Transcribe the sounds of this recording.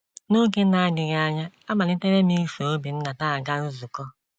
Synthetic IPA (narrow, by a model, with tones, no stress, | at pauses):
no˦ɡe˦na˨a˦ɡɪ˨ɣa˦a˦˨ɲa˦a˦ma˨lɪ˦te˦ɾe˦mi˦so˨o˦bi˨n̩˦na˨ta˦a˨ɡa˦nu˦zu˨kɔ˦